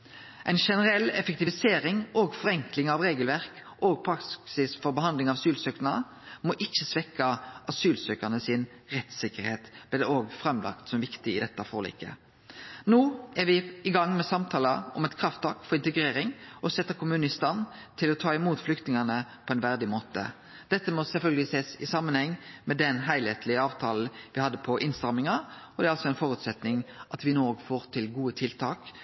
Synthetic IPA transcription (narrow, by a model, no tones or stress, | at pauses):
ʔɛɪnʃɛnəɾɛlːɛ̰fɛk̚t̪ɪʋɪseːɾɪŋoɡfɔʁɛŋklɪŋɑʋʁeːɡəlʋæʁk | ʔoːɡ̚pʰɾɑkksɪsfɔɾbəhɑnd̪lɪŋɑʋɑsyːlsøːknɑə | mɔʔɪçːəsʋɛkːəʔɑsʉːlsøːkəʁnəsɪnʁɛt̪sɪkːəɾheːt̪b̥̪ɪd̪ɛoːɡfʁɑmlʔɑ̰kt̪sɔmʋɪkt̪ɪɪd̪ɛt̪ːəfo̰ːl̰ːkə̰ | noːæɾʋɪɪɡɑŋːmɛsɑmt̪ʰɑːləɔmɛt̪kʰɾɑft̪ɑːkfɔɾɪnt̪əɡʁeːɾɪŋɔsɛt̪ːəkʰʊmʉːnɪst̪ɑnː | t̪ʰɪlɔt̪ʰɑːɪmuːt̪flʏkt̪nɪŋɑnəpʰɔɛɪnʋæʁd̪ɪmoːt̪ə̰ | d̪̥ɛt̪ːəmɔsɛlfœlɡəlɪseːsɪsɑmːənhɛŋːmɛd̪ɛnɦæɪlheːt̪ʰlɪəɑːʋt̪ʰɑːl̩ʋɪhɑd̪ːəpʰɔʔɪnst̪ʁɑmɪŋɑɔd̪ɛæɾɑlsɔɛnfɔʁʉt̪sɛt̪nɪŋʔɑt̪ʋɪnoːɔɡfoːʁt̪ʰɪlɡuːət̪ʰɪlt̪ʰɑːk